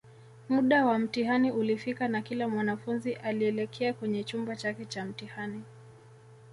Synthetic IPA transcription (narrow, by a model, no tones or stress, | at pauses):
muɗawam̩tihaniulifikanakilamwanafunziʔaliɛlɛkʰɛakwɛɲɛt͡ʃumbat͡ʃakɛt͡ʃam̩tihani